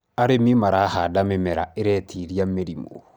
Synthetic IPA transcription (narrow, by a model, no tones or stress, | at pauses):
aɾemimaɾahadamemɛɾaeɾɛtʰiɾiameɾimo̰